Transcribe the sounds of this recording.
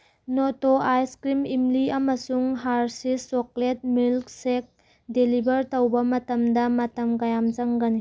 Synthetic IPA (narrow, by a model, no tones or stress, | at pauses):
notoʔajskɾimimliɐmɐsuŋɦaɾsisoklet̚milksek̚ | delibɐɾtɐwbɐmɐtɐmdɐmɐtɐmkajamzɐŋɡɐni